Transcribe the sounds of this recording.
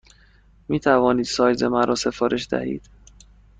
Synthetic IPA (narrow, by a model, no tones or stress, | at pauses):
miːt̪ʰævɒːniːd̪̥sɒːjzemænɾʔɒːse̞fɒːɾʔe̞ʃd̪æ̰hḭːd̪̥